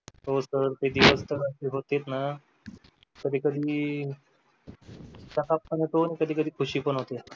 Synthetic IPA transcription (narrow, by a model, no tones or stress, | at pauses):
ɦosəɾt̪ed̪iʋəst̪əɾəseɦot̪et̪na | kəd̪ʱiːkəd̪ʱiː | sakap̚pənet̪oñikəd̪ʱiːkəd̪ʱiːkʰuɕiːpəɳɦot̪e